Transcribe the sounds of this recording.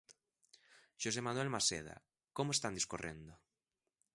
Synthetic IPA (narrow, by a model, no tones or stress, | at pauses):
ʃos̬emanwɛlmasḛð̞a̰ | komoest̪and̪iskorḛnd̪o